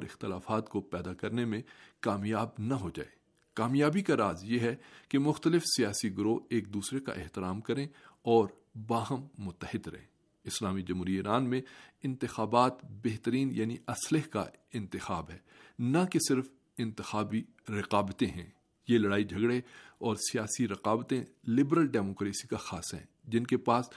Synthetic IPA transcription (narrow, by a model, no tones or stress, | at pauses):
ɾɪ̰xt̪ɪlaːfaːt̪kopɛːd̪akɐɾnemẽkaːmjaːbnɐɦod͡ʒa̰ːeː | kaːmjaːbikaɾaːzjeɦɛkemʊxt̪əlɪfsijaːsiɡʊɾoːeːk̚d̪uːsɾeka̰ʔɪɦt̪ɪɾaːmkɐɾẽɔːɾ | baːɦəmːʊt̪ːəhɪd̪ɾɐ̰ɦḛ̃ː | ɪslaːmid͡ʒɐmɦuːɾiɪːɾaːnmẽɪ̃nt̪ɪxaːbaːt̪beɦt̪əɾiːnjaːniʔɐslɪɦka̰ɪ̃nt̪ɪxaːbɦɛːnɐkesɪɾf | ɪ̃nt̪ɪxaːbi | ɾɪqaːbət̪ẽɦɛ̰̃ː | jelɐɽaːid͡ʒʱɐɡɽeɔːɾsijaːsiɾɐqaːbt̪ẽlɪbɾəlɖɛːmoːkɾeːsikaxaːsɦɛ̰̃ːd͡ʒɪnkepaːs